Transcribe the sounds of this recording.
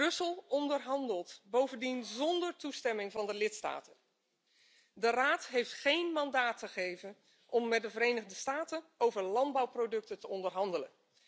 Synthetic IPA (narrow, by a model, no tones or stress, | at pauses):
ɵsəlˠɔndəɹɦɑndəlˠtbowvəndinzɔndəɹtustɛmɪŋvɑndəlɪtsta̰ːtən | dəraːtɦejftχejnmɑndaːtχəχejvən | ʔɔmːɛt̚dəvəɾejnəχdəstaːtənowvəɹlɑndbɑwprodɵk̚tətəɔndəɹɦɑndələ̰n